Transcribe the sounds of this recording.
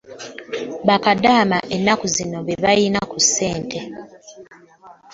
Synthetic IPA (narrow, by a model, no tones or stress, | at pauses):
βakadaːmaʔenːakuzino̞βeβajinakusːe̞ːntʰe̞